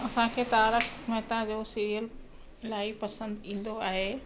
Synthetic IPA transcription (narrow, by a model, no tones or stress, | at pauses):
ɐsãkʰeːt̪aːɾəkʰmɛ̃ɦt̪ãd͡ʑoːsiɾijəl | ɪlaːipɐsə̃nd̪ĩːn̆d̪oaːɦeː